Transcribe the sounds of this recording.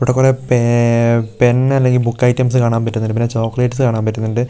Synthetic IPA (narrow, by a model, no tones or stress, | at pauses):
puɽɐkːoɾepe | penɐlːe̞ŋɡilbukːɐjtːɐms̬ɨkaːɳaːmpɐtːunːɐɳɖɨpinːet͡ɕo̞ːkːɐleːʈːɨsɨkaːɳaːmpɐtːunːɐɳɖɨ